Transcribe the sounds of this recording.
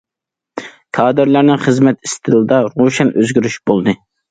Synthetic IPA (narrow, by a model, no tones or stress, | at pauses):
kʰɑːd̪ɨɾlæɾnɪŋχəzmɛt̪i̥st̪ʰɨlˠɨd̪ɑɾoʃɛnʔøzɡʲyɾyʃbolˠd̪ɨ